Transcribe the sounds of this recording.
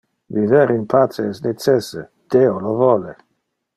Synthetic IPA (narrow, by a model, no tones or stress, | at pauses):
viveɾinpʰat͡sesnet͡ʃɛse | d̪̥eolovɔle